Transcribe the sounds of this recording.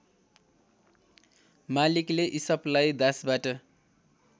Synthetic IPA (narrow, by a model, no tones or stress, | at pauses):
malikleʔisʌplajd̪asbaʈʌ